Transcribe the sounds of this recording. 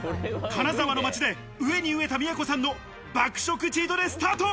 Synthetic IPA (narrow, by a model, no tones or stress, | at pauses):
kanazaβano̞mat͡ɕid̪e̞ | ɯ̟e̞ɲ̟iɯ̟e̞t̪amʲijako̞sãnːo̞ | bakɯ̟̥ɕo̞kɯ̟t͡ɕiːd̪o̞d̪e̞sɨ̥t̪aːt̪o